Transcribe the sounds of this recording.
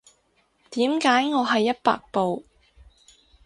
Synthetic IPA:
t̪iː˨˥mkaː˨˥jŋɔː˨˧ɦɐ˨jːɐ˥t̚pa̰ː˨k̚po˨w

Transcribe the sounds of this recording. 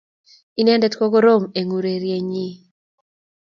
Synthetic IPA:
i˦nɛ˦ndɛ˦tko˦ɡo˦ɾo˦me˨ŋu˨ɾe˨ɾje˨ɲi˦

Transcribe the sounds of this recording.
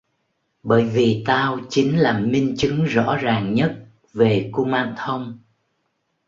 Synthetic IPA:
ɓəː˧˩jvi˨˩t̪aː˧wt͡ɕï˨˦ŋ̟laː˨˩mï˧ŋ̟t͡ɕɨ˨˦ŋzɔ̰˧˥zaː˨˩ŋɲə˦˥t̚ | ve˨˩ko˧ŋ͡mmaː˧nt̪ʰə˧wŋ͡m

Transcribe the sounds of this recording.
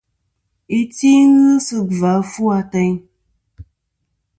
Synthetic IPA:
i˦ti˦ŋ˦ɣɨ˦sɨ˧va˨˦fu˦a˧tɛ˧ɲ

